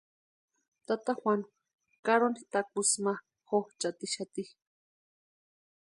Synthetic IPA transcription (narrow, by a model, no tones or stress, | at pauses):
t̪at̪axwan | kaɾonit̪ak̚usma | xoht͡ʃat̪iʃat̪i